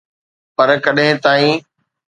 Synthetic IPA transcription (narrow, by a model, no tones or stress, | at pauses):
pɐɾkɐɗɦɪ̃t̪aːĩː